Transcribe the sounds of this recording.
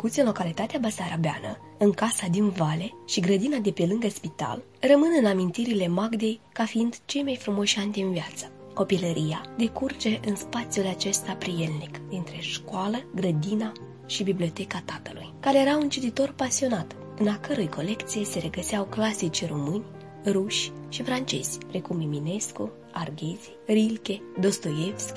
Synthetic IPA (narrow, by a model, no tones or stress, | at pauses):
kut̪sʲɨnlo̞kalit̪at̪eabasaɾabea̰nə | ɨŋkasad̪invale̞ʃiɡɾəd̪inad̪e̞pe̞lɨŋɡəspit̪a̰l | rəmɨnɨnamint̪iɾile̞maɡd̪e̞jkafiind̪t͡ʃe̞jmajfɾumo̞ʃanʲd̪inviat̪sə̥ko̞piləɾʔijad̪e̞kurt͡ʃe̞ʔɨnspat̪sʲjulat͡ʃe̞st̪apɾije̞lnikd̪int̪ɾe̞ʃkwaləɡɾəd̪ina | ʃibiblio̞t̪e̞kat̪at̪əlṵjkaɾejeɾaunt͡ʃit̪it̪o̞rpasio̞nat̪ | ɨnakəɾojko̞le̞kt̪sije̞se̞ɾe̞ɡəsiawklasit͡ʃromɨnʲ | ruʃʲʃifɾant͡ʃe̞̰z̥ʲpɾe̞kumimine̞sku | arɡʲezirilkʲe̞d̪o̞st̪ojefsk